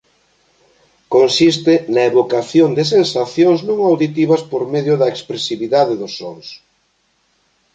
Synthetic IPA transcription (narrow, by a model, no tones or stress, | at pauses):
konsist̪ɪnɐeβokaθjond̪ɪs̬ensaθjoŋsnõŋawðit̪iβɐspoɾmeðjʊðɐekspɾesiβiðaðeðʊsːoŋs